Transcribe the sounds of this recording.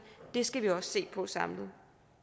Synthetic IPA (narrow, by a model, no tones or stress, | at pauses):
d̥e̝sɡ̥æʋiɒ̽sse̝̰ːpʰɒ̽sɑ̈mlð̩ˠ